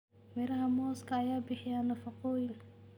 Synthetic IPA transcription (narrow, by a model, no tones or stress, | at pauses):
mɛɾɐɦɐmɔːskʰɐːjaːbɪħɪjaːnɐfɑqɔːjɪl